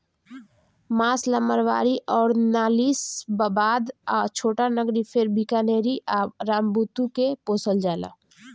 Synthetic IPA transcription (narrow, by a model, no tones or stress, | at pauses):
maːsləməɾʋa̰ːɾiʔɔːɾnaːliːsbəbaːd̪t͡ʃʰoːʈanəɡɾipʰɪɾbʱikaneːɾiʔaːbɾaːmbut̪ukepoːsəld͡ʒaːla̰ː